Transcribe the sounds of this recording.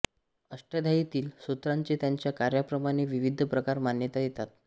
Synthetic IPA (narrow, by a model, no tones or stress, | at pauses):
əsʈəd̪ʱajit̪iːlsut̪ɾaɲt͡ɕet̪jaɲt͡ɕjakaɾjapɾəmaɽ̃eʋiʋid̪ʱəpɾəkaɾmanjət̪ajet̪at̪̚